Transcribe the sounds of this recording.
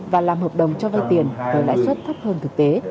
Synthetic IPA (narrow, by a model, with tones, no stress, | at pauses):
vaː˨˩laː˨˩mɦəː˨˩p̚ɗə˨˩wŋ͡mt͡ɕɔ˧va˧jt̪i˨˩ənvəː˧˩la̰˧˥jswə˦˥t̚t̪ʰə˦˥p̚həː˧nt̪ʰɨ˨˩k̚t̪e˨˦